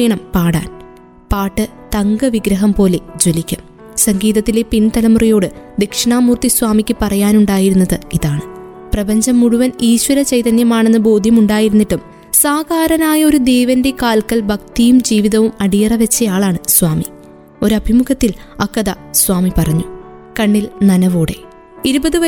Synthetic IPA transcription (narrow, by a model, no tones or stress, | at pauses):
eɳɐmpaːɽa̰ːn | paːʈːɨ | t̪ɐŋɡɐʋiɡɾɐɦɐmpo̞ːle̞d͡ʑo̞likʲːum | sɐŋɡiːðɐt̪ːilepint̪ɐlɐmrijo̞ːɽɨd̪ekʂɳaːmuːrt̪iswaːmikʲːɨpɐrɐjaːnuɳɖaːjiɾunːɐðɨiðaːɳɨ | prɐbɐɲd͡ʑɐmːuɽuʋɐniːɕʋɐɾɐt͡ɕɐjt̪ɐnjɐmaːɳenːɨbo̞ːd̪ʱjɐmuɳɖaːjiɾunːiʈːum | saːɡaːɾɐnaːjɐo̞ɾud̪eːʋɐnde̞kaːlkɐlbʱɐk̚t̪ijumd͡ʑiːʋiðɐʋumɐɽijɐrɐʋɐt͡ɕːɐjaːɭaːɳɨswaːmi | o̞ɾɐbʱimuɣɐt̪ːilɐkːɐðɐ | sʋaːmipɐrɐɲːu | kɐɳːilnɐnɐʋoːɽe̞̰ | iɾubɐðɨʋɐ